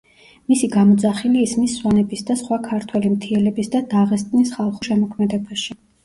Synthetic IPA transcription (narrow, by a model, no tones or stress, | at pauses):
misiɡamɔd̪zaχiliːsmisːwanɛbisd̪asχwakʰaɾt̪ʰwɛlimt̪ʰiɛlɛbisd̪ad̪aʁɛst̪ʼnisχalˠχuʃɛmɔkʰmɛd̪ɛbaʃi